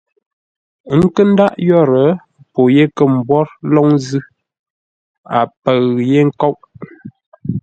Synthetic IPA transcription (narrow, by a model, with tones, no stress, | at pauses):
ŋ̩˦kə˦n̩˦da˦ʔjɔ˦˨ɾə˨˦ | po˨je˦kə˨m̩˨bwɔ˦ɾlɔ˦ŋzɨ˦ | a̰˨pə˨ɣje˦ŋ̩˦kɔ˦wʔ